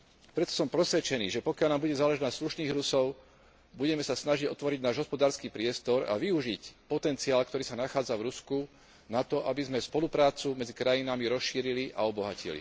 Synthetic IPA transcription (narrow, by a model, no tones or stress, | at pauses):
pɾɛt̪ɔ̥sɔmpɾɔsʋɛt͡ʃɛnḭːʒɛpɔkɪalnaːmbuɟɛzaːlɛʒɛnasluʃniːɣɾusɔʊ | buɟɛmɛsasnaʒiɟɔt̪ʋɔɾiɟnaːʒɦɔspɔd̪aːɾskiːpɾɪɛst̪ɔɾa̰ʋiuʒicpɔt̪ɛnt͡siaːlkt̪ɔɾiːsanaxaːd͡zavɾusku | nat̪ɔʔabizmɛspɔlupɾaːt͡sumɛd͡zikɾajinamiɾɔsʃiːɾiliʔa̰ɔbɔɦacḭlḭ